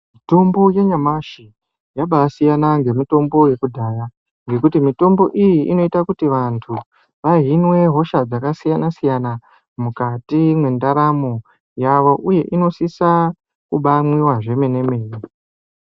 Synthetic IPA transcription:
mito̞mbo̞je̞ɲamaʃi | jaɓasijanaŋɡe̞muto̞mbo̞je̞kudʱaːja | ŋɡe̞kutimito̞mbo̞ʔijiʔino̞itakutiʋantʰu | ʋaɦinwe̞ɦo̞ʃad͡zakasijanasijana | mukatimwe̞ndaɾamo | jaʋo̞ʔuje̞ʔino̞sisa | kuɓamwiwaʐe̞mene̞me̞ːji

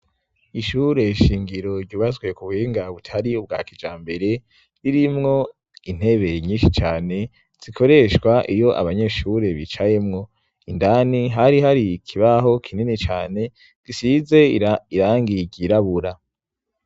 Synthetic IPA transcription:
iʃuɾe̞ʃiːŋɡiɾo̞ɾɟuːβazɡwe̞kuβheːŋɡaβutʰaɾiub̚ɡa̰ːkid͡ʒaːmbe̞ɾe̞ | ɾiɾimŋo̞ | in̥he̞βe̞ɲiːnʃit͡ʃaːne̞ | z̥ikʰo̞ɾe̞ʃwaʔijo̞ʔa̰βaɲe̞ʃuɾe̞βit͡ʃaje̞mŋo̞ | indaniɦaɾiɦaɾikʰiβaɦo̞kʰininit͡ʃa̰ːne̞ | ɡ̥isize̞iɾaːŋɡiɟiɾaβuɾa

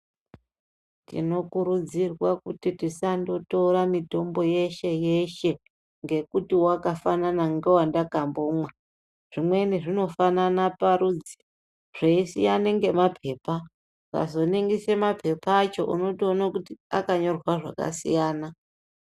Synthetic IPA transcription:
tḭno̞kuɾud͡zirwakutitisando̞to̞ɾamito̞mbo̞je̞ʃe̞je̞ʃe̞ | ŋɡe̞kutiwakafananaŋɡe̞wandakamboːmwa | ʐ̥imwe̞niʐino̞fananapaɾuːd͡zi̥ | ʐ̥eisḭjaneŋɡe̞mapʰe̞ːpa | ka̰zo̞niŋɡise̞mapʰe̞pat͡ʃo̞̰ʔṵno̞tio̞nakutiakaɲo̞rwaʐa̰ka̰sḭjaːna

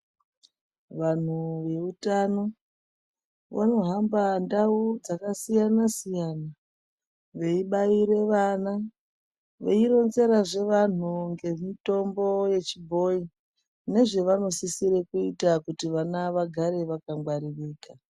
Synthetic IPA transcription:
ʋan̤uʋe̞utano̞ | ʋa̰no̞ɦambandaud͡zakasijanasijana | ʋe̞iɓaiɾe̞ʋana | ʋe̞iɾo̞nze̞ɾaʐe̞ʋan̤uŋɡe̞mito̞mbo̞je̞t͡ʃibʱo̞i | ne̞ʐe̞ʋano̞sisiɾekuitakutiʋanaʋaɡʱaɾe̞ʋakaŋɡwaɾiriːka

